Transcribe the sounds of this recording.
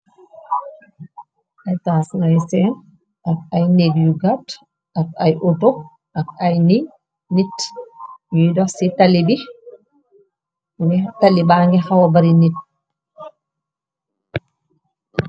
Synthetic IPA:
ʔajtasnajsɛn | ʔak̚ajneɡjuɡat | ʔakajʔoto | ʔakajni | nit | jidɔsitalibi | ŋɛtalːibaŋɡɛhawabaɾinit̚

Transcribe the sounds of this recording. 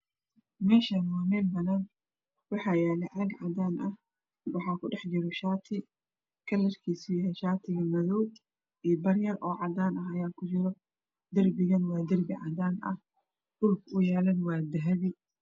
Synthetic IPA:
mɛːʃaːnwɑːmɛːlbɐnaːn | wɑħɑːjɛːlɛʕaɡʕɑd̪aːnʔɐh | wɑħɑːkʰʊɖɛħt͡ʃɪɾɔʃaːt̪ʰɪ | kʰɐlːɐrkʰiːsɪjɛʃaːt̪ʰɪɣɐmɐðɔw | ʔiːbɐrjɐrɔːʕɑd̪aːnɐɦɐjaːkʰʊt͡ʃɪɾɔ | d̪ɐrbɪɣɐnwɑːd̪ɐrbɪʕɑ̰d̪aːnɐ̰h | d̥ʊlkʊjɛːlɐnwɑːd̪ɐɦɐβɪ

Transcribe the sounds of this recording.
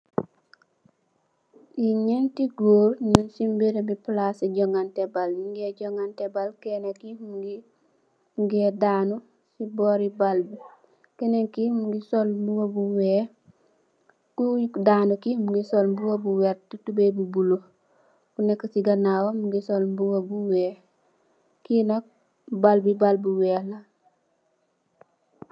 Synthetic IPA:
iɲentiɡoːɾnunsimbiɾebiplasiɟoŋɡantebalmuŋɡeɟoŋɡantebalkenekimuɡi | ŋɡedaːnu | siboːɾibalbu | kenekimuɡisolbuwobuwe | kukdaːnukimuŋɡisolbuwobuweɾtutubebubulo | kunekːsiɡanawomuŋɡisolmbuwobuweː | kinok̚ | balbibalbuweːla

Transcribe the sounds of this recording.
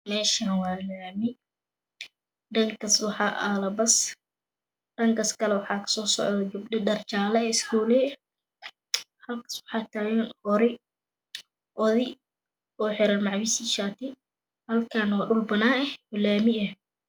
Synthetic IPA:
mɛːʃanwɑːlaːmɪ | ɖɐŋkʰɐswɑħɑʔɐlɐbɐs | ɖ̥ɐŋkʰɐskʰɐlɛwɑħɑːkʰɐ̥sɔːsɔ̰ʕðɔd͡ʒʊbdɪdɐrt͡ʃaːlɛɪskʰuːlɛ | hɐlkʰɐ̥swɑħɑːt̪ʰaːwɛnʔɔɾɪ | ʔɔðɪ | ɔːħɪɾɐnmɑʕwɪsiʃaːt̪ʰɪ | hɐlkʰaːnwɑːɖʊlbɐnaːɛɔlaːmɪɛ

